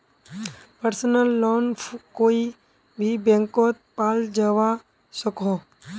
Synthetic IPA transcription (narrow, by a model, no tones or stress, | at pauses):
pəɾsənəlːɔːnkoːi | bʱibẽŋkɔːt̪̚paːld͡ʒaʋa | səkõ